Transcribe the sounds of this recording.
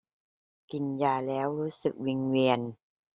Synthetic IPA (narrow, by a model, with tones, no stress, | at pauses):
ki˨˩njaː˧˩lɛː˦˥wɾuː˦˥sɯ̰˨˩k̚wi˧ŋwi˧ən